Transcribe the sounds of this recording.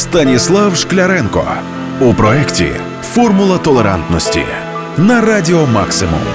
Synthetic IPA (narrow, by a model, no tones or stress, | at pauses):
st̪ənʲɪslˠafʂklʲɐɾɛnko̰ | ʊpɾɔɛktʲɪ̰ | fɔrmʊlˠət̪ɔlʲˠəɾant̪nəsʲtʲɪ̰ | nɐɾadʲɪoma̰ksʲɨmʊ̰m